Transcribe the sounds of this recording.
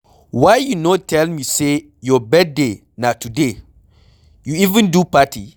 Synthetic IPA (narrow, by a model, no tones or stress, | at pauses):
wajjunotʰɛlmise | jɔbɛd̚de | natude | juivə̃ndupati